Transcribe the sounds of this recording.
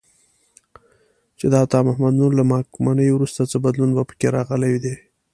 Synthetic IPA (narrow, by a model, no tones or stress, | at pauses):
t͡ʃed̪əat̪ɑmahmad̪nuɾlamɑkumanəjwɾust̪at͡səbad̪lunbapə̥keɾɑɣəlawid̪e